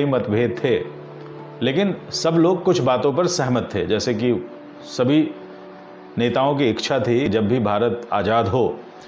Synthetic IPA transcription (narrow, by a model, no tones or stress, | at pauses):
imɐt̪bʱeːd̪̚t̪ʰeː | leːkɪnsɐbloːɡ̚kʊt͡ʃʰbaːt̪õpɐɾsɛɦmət̪ʰːḛːd͡ʒɛːseki | sɐbʱi | neːt̪aːõk̬iɪkt͡ʃʰat̪ʰid͡ʒɐbːʱibʱaːɾət̪a̰ːd͡ʒaːd̪ɦoː